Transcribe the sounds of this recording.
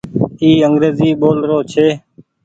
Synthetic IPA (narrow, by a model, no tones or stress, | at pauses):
iːəŋɡɾeːziːɓoːlɾoːt͡ʃʰeː